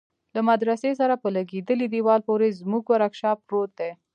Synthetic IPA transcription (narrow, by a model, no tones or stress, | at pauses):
lamad̪ɾasesaɾapəlaɡed̪əlid̪iwɑlpoɾezmuɡwaɾakʃɑpɾot̪̚d̪e